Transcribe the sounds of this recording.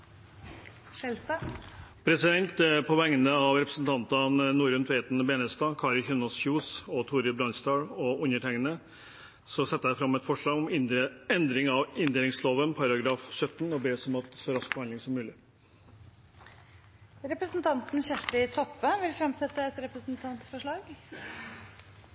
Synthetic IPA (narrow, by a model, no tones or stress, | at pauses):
ʂɛlst̪ɑpʰɾɛsɪd̪ɛnt̪pʰɔʋɛŋːənəɑʋɾɛpɾəsn̩t̪ʰɑnt̪ɑnnuːɾʉnt̪ʰʋɛːt̪nbeːnəst̪ɑːkʰɑːɾɪçœnɔsçjuːsɔt̪ʰuːɾəbɾɑnst̪ɑːɽɔʊnəʈɛŋənə | sɔsɛt̪ːəæɪfɾɑmːɛt̪fɔʂɭɑːɡɔmɛnd̪ɾɪŋɑʋɪnd̪eːlɪŋsloːʋənpʰɑɾɑɡɾɑːfɕœt̪ːn̩ɔbeːsɔmɑt̪sɔɾɑsk̚bəɑnd̪ɪŋsɔmːʉːlɪ | ɾɛpɾəsnt̪ʰɑnt̪n̩çæʂʈɪt̪ʰɔpːəʋɪlfɾɑmsɛt̪ːəɛt̪ɾɛpɾəsnt̪ʰɑnt̪fɔʂɭɑːɡ